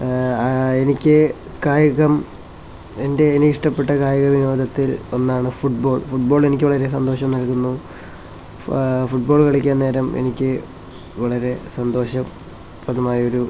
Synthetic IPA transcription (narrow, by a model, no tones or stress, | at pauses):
enikʲːɨ | kaːjɐɣɐm | ende̞ːniiʂʈɐpːe̞ʈːɐkaːjɐɣɐʋino̞ːd̪ʱɐt̪ːilo̞nːaːɳɨfuʈbo̞ːɭfuʈ̚bo̞ːɭe̞nikʲːɨʋɐɭɐɾe̞s̬ɐnd̪o̞ːɕɐmnɐlkunːu | fuʈbo̞ːɭkɐɭikʲːaːnːe̞ːɾɐmḛnikʲːɨ | ʋɐɭɐɾe̞sɐnd̪o̞ːɕɐm | prɐt̪ɐmaːjɐo̞ɾu